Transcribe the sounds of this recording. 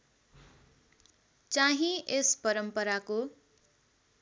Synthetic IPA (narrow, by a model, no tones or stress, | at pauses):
t͡saɦĩʔespʌɾʌmpʌɾako